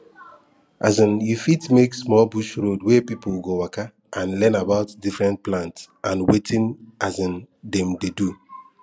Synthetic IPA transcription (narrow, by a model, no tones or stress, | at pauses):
ʔazĩnjufitmeksmɔlbuʃɾodwepipulɡowaka | ʔãnlɛnabaʊtdifɹɛ̃nt̚plãnts | ãnwetʰĩnazĩndɛ̃mdedu